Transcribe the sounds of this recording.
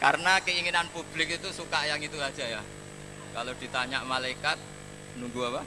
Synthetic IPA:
ka̰rənakəiŋinanpub̥lɪk̚it̪usukajaŋit̪uad̥ʒ̥aja | kalod̪̥i̤t̪aɲaʔmalaikat̪̚ | nuŋɡuapa

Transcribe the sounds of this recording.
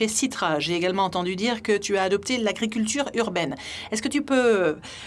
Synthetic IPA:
ɛsit̪χaʒeːɡalmɑ̃ɑ̃t̪ɑ̃d̪yd̪iʁkət̪yaːd̪ɔp̚t̪elaɡʁik̬ʲylt̪yʁyʁbɛn | ɛskət̪ypø

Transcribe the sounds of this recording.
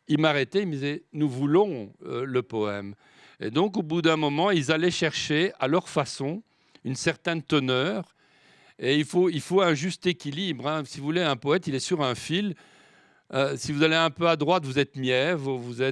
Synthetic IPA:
ilmaʁɛt̪ɛilmd̪izɛnuvulɔ̃ləpɔɛm | ḛd̪ɔ̃k̬obud̪ɛ̃mɔmɑ̃ilzalɛʃɛʁʃealœʁfasɔ̃ | ynsɛʁt̪ɛnt̪ənœːʁ | eilfoilfoɛ̃ʒyst̪ekʲilibʁɛ̃sivuvuleɛ̃pɔɛt̪ilɛsyʁɛ̃fil | əsivuzaleɛ̃pøad̪ʁwat̪vuzɛt̪mjɛvʁvuzɛ

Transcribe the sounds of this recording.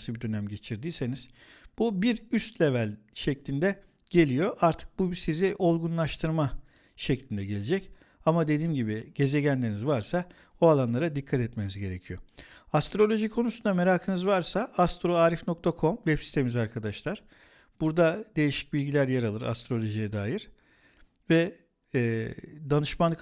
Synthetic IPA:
sɯbid̪ø̞næmɟe̞t͡ʃʰiɾd̪iːse̞niz̥b̥ubiɾyst̪lʲe̞vælʲʃɛclʲind̪ɛ | ɟ̥e̞lʲijo̞ʔaɾt̪ʰɯ̥k̚bubsiziʔo̞lˠɡunlˠaʃt̪ʰɯɾma | ʃɛclʲind̪ɛɟe̞lʲed͡ʒɛc | amad̪e̞d̪iːmɟibiɟ̥e̞ze̞ɟænlʲe̞ɾinizvaɾsa | oalˠanlˠaɾad̪ikʰːat̪ʰɛt̪me̞nizɟe̞ɾecʰijo̞ast̪ɾo̞lʲo̞ʒikʰo̞nusund̪ame̞ɾaːkʰɯnɯzvaɾsaast̪ɾoaːɾifno̞k̚t̪ʰakʰo̞mvɛpsi̥t̪ʰe̞mizaɾkʰad̪aʃlˠaɾ̥ | b̥uɾd̪ad̪e̞jiʃi̥c̚bilʲɟilʲæɾjaɾalˠɯɾa̰st̪ɾo̞lʲo̞ʒijɛd̪aːjiɾ̥ | vɛː | d̪anɯʃmanˠk

